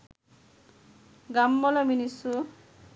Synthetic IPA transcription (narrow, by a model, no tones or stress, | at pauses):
ɡamːɔlɔminisu